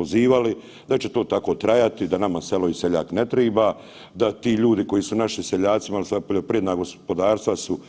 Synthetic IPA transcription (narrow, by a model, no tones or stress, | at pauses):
oziːʋali | d̪at͡ʃet̪o̞ːt̪ako̞ːt̪ɾajat̪id̪anamaselo̞iseʎa̰ːknet̪ɾiːba | d̪at̪iːʎuːd̪iko̞jisunaʃiseʎaːt̪simalsapoʎopɾije̞d̪naːɡo̞spo̞d̪aːɾst̪ʋasu